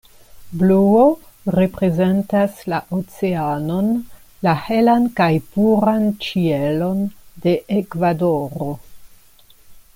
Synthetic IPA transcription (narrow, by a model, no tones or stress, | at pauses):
bluo | ɾe̞pɾe̞ze̞ntaslaʔot͡se̞ano̞n | lahe̞lankajpuɾant͡ʃielo̞nde̞ʔekvadoɾo̞